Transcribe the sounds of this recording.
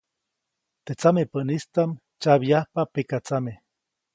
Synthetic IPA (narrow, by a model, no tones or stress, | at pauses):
t̪et͡samepənist̪am | t͡ʃaβiahpapekat͡same